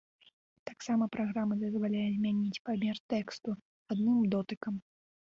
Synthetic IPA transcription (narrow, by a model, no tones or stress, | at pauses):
t̪aksamɐpɾaɣɾamɐd̪ɐzvalʲajɛzʲmʲanʲit͡sʲpamʲert̪ɛkst̪u | ad̪nɨmd̪ɔt̪ɨkɐm